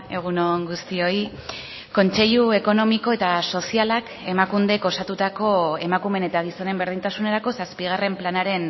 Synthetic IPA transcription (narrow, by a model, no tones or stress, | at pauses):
e̞ɣ̞uno̞ŋɡust̪io̞j | ko̞nt͡se̞ʎue̞ko̞no̞miko̞e̞t̪aso̞sialak | e̞makund̪eko̞sat̪ut̪ako̞e̞makume̞ne̞t̪aɣ̞iso̞ne̞mbeɾðint̪asune̞ɾako̞saspiɣ̞are̞mplanaɾe̞n